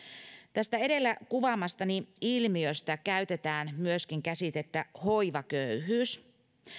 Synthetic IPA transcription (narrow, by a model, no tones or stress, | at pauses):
t̪æst̪æe̞de̞lːækuʋɑmːɑst̪ɑniilmiøst̪ækæyt̪e̞t̪æːnmyøskiŋkæsit̪et̪ːæho̞jʋɑkøyɦyːs